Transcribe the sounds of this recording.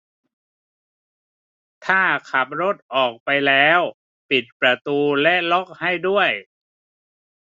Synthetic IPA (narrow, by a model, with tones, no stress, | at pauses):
t̪ʰaː˥˩kʰa˨˩p̚ɾo˦˥˩t̪̚ʔɔː˨˩k̚pa˧jlɛː˦˥w | pi˨˩t̪̚pɾa˧t̪uː˧lɛ˦˥ʔlo˦˥k̚ha˥˩jdu˥˩əj